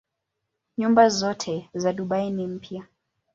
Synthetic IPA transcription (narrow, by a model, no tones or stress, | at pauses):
ɲumbazɔtʰɛzaɗuɓainim̩pʰja